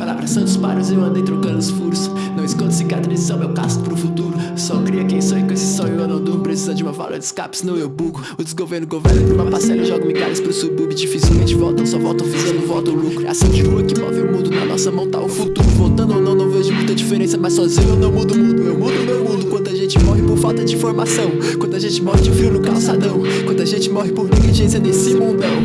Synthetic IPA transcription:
pala̰vɾɐsɐ̃nt̪ʊspa̰ɾʊzẽad̪ẽnt̪ɾʊʊkɐ̃ʊsfuɾsʊ̥ | nɐ̃w̃ɪskõnd̪ʊsikat̪ɾɐ̃zisɐ̃w̃mewka̰st̪ʊ̥pɾʊfut̪uɾʊsɔkɾiɐkẽj̃sɔ̃ĩksɪ̥sɔewɐ̃nɐ̃d̪opɾesizɐd͡ʒɪũmɐva̰lo̰ɐ̰d͡ʒɪ̥ska̰pɪ̥sɪnɐ̃w̃ewbuɡʊ | ʊd̪ɪɡoveɾnʊɡovḛɾnũmɐpasɛlɐʒɔɡɐ̃mɪ̃ka̰ɾɪspɾʊsewbubɪd͡ʒifisilwmẽt͡ʃɪvɔwt̪ɐ̃sɔvɔ̰wt̪ɐ̃vizɐ̃nd̪ʊvɔt̪ɐ̃lukkɾia̰sɐ̃w̃d͡ʒɪɦuɐ̃kɪmɔ̰veʊmũd̪ʊnɐnɔ̰sɐmɐ̃w̃t̪a̰wʊfut̪uɾʊvowt̪ɐ̃nd̪ʊow̃nɐ̃w̃nɐ̃w̃veʒʊmũj̃t̪ɐd͡ʒifeɾẽsɐmasɔzĩɲʊewnɐ̃w̃mud̪ʊmũd̪ʊewmud̪mewmũd̪ʊkwɐ̃nd̪ʊaʒẽnt͡ʃɪmɔɦɪpoɾfawt̪ɐd͡ʒɪĩfoɾmasɐ̃w̃ | kwɐ̃d̪ʊaʒẽnt͡ʃɪmɔhɪd͡ʒɪʊfɾiwʊnʊkawsad̪ɐ̃w̃ | kwɐ̃nd̪ʊaʒẽnt͡ʃɪmɔɦɪpoɾniɡliʒẽs̬iɐd̪ẽsĩmõmɛ̃w

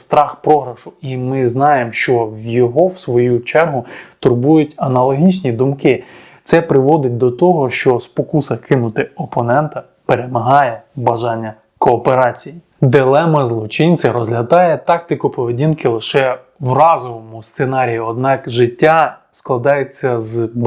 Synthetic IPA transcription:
st̪ɾɑxpɾɔɦɾɐʃʊimɪznɑjemʃt͡ʃɔwjɔɦɔwsʋɔjut͡ʃɛrɦʊt̪ʊrbujʊtʲɐnɐlˠɔɦʲit͡ʃnʲid̪ʊmkɪ | t̪sɛpɾɪʋɔd̪ɪt̚ʲd̪ɔt̪ɔɦɔʃt͡ʃɔspɔkusɐkʰɪnʊt̪ɪɔpɔnɛnt̪ɐ | peɾemɐɦɑjɛbɐʒɑnʲːɐ | kɔːpeɾɑt͡sʲiji | d̪ɪlˠɛmɐzlˠɔt͡ʃɪnʲt͡sʲɐɾɔzʲlʲɐd̪ɑjɛt̪ɑk̚t̪ɪkʊpɔʋedʲinkɪlˠɪʃɛ | wrɑzɔʋɔmʊst̪senɑɾʲijʊɔd̪̚nɑkʒɪtʲːasklˠɐd̪ɑjet͡sʲːɐz

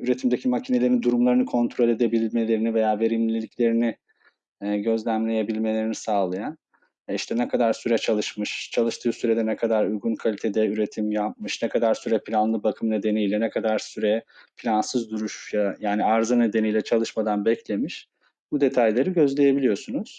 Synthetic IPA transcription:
yɾe̞t̪ʰimd̪ecʰimacʰine̞lʲeɾind̪uɾumlˠaɾɯnɯkʰo̞nt̪ʰɾo̞lʲe̞d̪e̞bilʲme̞lʲe̞ɾinive̞jaːve̞ɾimlʲilʲicʰlʲe̞ɾini | ɟø̞zlʲæmlʲe̞jebilʲme̞lʲe̞ɾinisaːlˠajan | iʃt̪ʰɛnɛkʰad̪aɾsyɾɛt͡ʃʰalˠɯʃmɯʃt͡ʃʰalˠɯʃt̪ʰɯːsyɾed̪ɛnɛkʰad̪aɾujɡunkʰalʲit̪ʰe̞d̪ɛyɾe̞t̪ʰimjap̚mɯʃnɛkʰad̪aɾsyɾɛpʰilʲanlˠɯbakʰɯmne̞d̪e̞nijlʲɛnɛkʰad̪aɾsyɾɛpʰilʲansɯzd̪uɾuʃjaajaːniaɾzɯne̞d̪e̞nijlʲɛt͡ʃʰalˠɯʃmad̪anbɛcʰlʲe̞miʃ | bud̪e̞t̪ʰajlʲeɾɯɟøzlʲe̞je̞bilʲijo̞sunuz̥

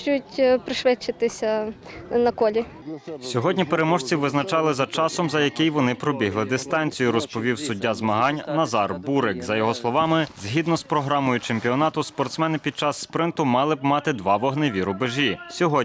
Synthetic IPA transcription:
t͡ʃjʊtʲpɾɪʃʋɛt͡ʃːɪt̪ɪsʲɐnɐkɔlʲi | sʲɔɦɔdʲnʲipeɾemɔʒt͡sʲiʋɪznɐt͡ʃɑlˠɪzɐt͡ʃɑsɔmzɐjɐkɪjʋɔnɪpɾɔbʲiɦlˠɪd̪ɪst̪ɑnʲt͡sʲijʊɾɔspɔʋʲiwsʊdʲːazmɐɦɑnʲnɐzɑrbuɾɪkzɐjɔɦɔslˠɔʋɑmɪzɦʲid̪nɔspɾɔɦɾɑmɔjʊt͡ʃempʲiɔnɑt̪ʊspɔrt̪smɛnɪpʲid̪̚t͡ʃɑsːpɾɪnt̪ʊmɑlˠɪbmɑt̪ɪd̪ʋɑʋɔɦneʋʲiɾʊbɪʒʲisʲɔɦɔ

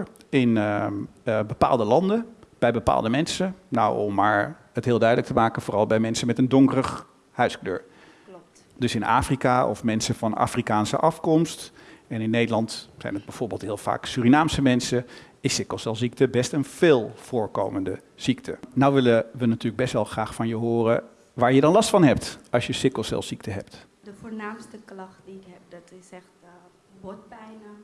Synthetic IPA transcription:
ɪn | bəpa̰ːlˠdəlɑndəb̥ɛjbəpa̰ːlˠdəmɛnsəna̰wɔmːaːɹ | ətɦɪːlˠdœɥdələk̚təmaːkənvʊːrɑlˠbɛjmɛnsəmɛtəndɔŋkərəχ | hœɥsklø̰ːɹ | dɵsɪna̰ːfrikaːɔ̰fmɛnsəvɑna̰ːfrikaːnsə̰ʔɑfkɔmstɛnɪnːejdəlɑntsɛ̰jnəd̚bɛjv̥ʊːɹbeːlˠtɦɪːlˠv̥a̰ːksyːrinaːmsəmɛnsə | ɪsɪkəlˠsɛlˠzik̚təbɛstənv̥ɪːlˠv̥ʊːɹko̰wməndə | z̥iktʰə̰nawʋɪləʋənatyːləɡ̚bɛstʋɛlˠχraːχfɑnjəɦʊːrə | ʋaːɹjədɑnlɑstfɑnɦɛptɑlˠsjəsɪkəlˠsɛ̰lˠsiktəɦɛp̚t | dəfoːɹnaːmstəklɑχt̚diɪkɛp̚dɔtɪsɛxt | pɛjnə

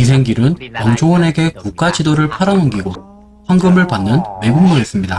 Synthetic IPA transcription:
isʰe̞ŋɡiɾɯnkʌŋd͡ʑʰoɯne̞ɡe̞kuk͈ad͡ʑidoɾɯɭpʰaɾaŋɯŋɡiɡo | ɸwaŋɡɯmɯɭpanːɯnme̞ɡuŋmoes͈ɯmɲida̰

